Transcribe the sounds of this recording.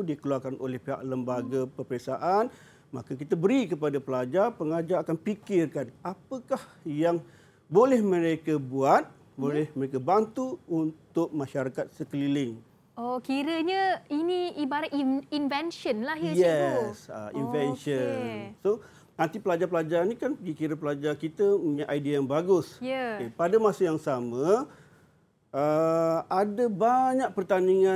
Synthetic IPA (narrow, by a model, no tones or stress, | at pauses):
dikəluarkanʔo̰lɛhpeɦa̰ʔləmbaɡapərpəɾesaʔan | makak̬it̪abəɾikəpadapəlad͡ʒarpəŋad͡ʒaɾakanpikɪrkanapəkah | jaŋ | bolɛhmə̃ɾekəbuat̪̚ | bolɛhməɾekabant̪uunt̪ʊk̚mãʃaɾakat̪̚səkəlilɪŋ | okiɾəɲəiniibaɾaiinvɛnʃənlahəjɛsə̰ḭnvɛnʃənso | nãnt̪ipəlad͡ʒapəlad͡ʒaɾanikanpəɡikiɾəpəlad͡ʒakit̪əmuɲaʔajdiajaŋbaɡʊsjəepadəmasəjaŋsamə̃ | əadəbaɲak̚pərt̪aniŋã